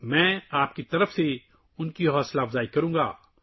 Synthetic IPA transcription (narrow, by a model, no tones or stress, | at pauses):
mɛ̃ːaːp̚kit̪ɐɾəfse | ʊnkiɦɔːslaːfzaːikɐɾũːŋɡa̰ː